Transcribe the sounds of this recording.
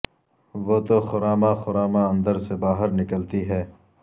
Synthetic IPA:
ʋot̪oxʊɾaːmaxʊɾaːmaɐ̃nd̪əɾsebaːɦəɾnɪkəlt̪iɦɛː

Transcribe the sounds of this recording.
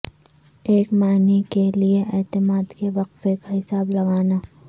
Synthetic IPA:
eːkmaːnikelieʔɛːt̪ɪmaːd̪keʋɐqfeːkaɦɪsaːblɐɡaːnaː

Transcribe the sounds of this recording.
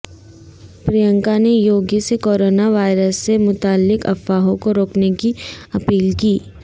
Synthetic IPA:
pɾijə̃ŋkanejoːɡisekoːɾoːnaʋaːɪɾəsːemʊt̪aːlːɪkɐ̰faːɦõkoɾoːknekiɐpiːlkiː

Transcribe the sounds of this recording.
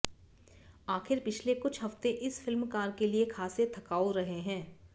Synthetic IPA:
aːxɪɾpɪt͡ʃʰlekʊt͡ʃʰɦɐft̪eʔɪsfɪlmkaːɾkeliekʰaːset̪ʰɐkaːoɾɐɦeɦɛ̃ː

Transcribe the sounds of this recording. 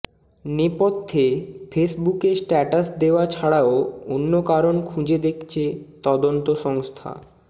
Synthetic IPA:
nepot̪ʰːefʰesbukesʈɛʈasd̪eoat͡ɕʰaɽaoonːokaɾonkʰũd͡ʑed̪ekʰt͡ɕʰet̪ɔd̪ont̪oʃɔŋst̪ʰa̰

